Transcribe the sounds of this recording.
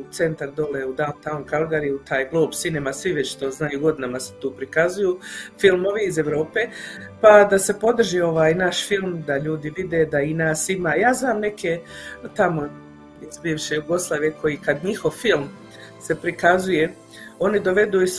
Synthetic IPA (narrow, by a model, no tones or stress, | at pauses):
t̪se̞nt̪aɾd̪o̞leud̪ant̪aonkalˠɡaɾiut̪ʰaːjɡlˠo̞ːbsinemasʋiʋet͡ɕt̪oznajuɡo̞d̪inamase̥t̪uːpɾikazujufilˠmo̞ʋiːze̞ʋɾo̞ːpe̞pad̪ase̞po̞d̪r̩ʒiːo̞ʋaːjnaʃfilˠmd̪aʎuːd̪iʋid̪e̞d̪ainaːsimaːjaːznaːmne̞kʰet̪amo̞ | izbiːʋʃejuɡo̞slˠaːʋje̞kʰo̞jikad̪ɲixo̞ʋfilˠm | se̞pɾikazuje̞ | o̞nid̪o̞ʋe̞d̪uːis